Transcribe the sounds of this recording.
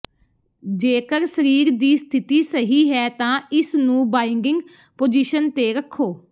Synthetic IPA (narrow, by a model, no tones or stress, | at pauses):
d͡ʒeːkəɾsəɾiːɾd̪iːst̪ʰɪt̪iːsəɦiːɦɛːt̪ãːɪsnũːbaːɪŋɡɪŋɡ | poːd͡ʒiːʃənt̪eːɾəkʰːoː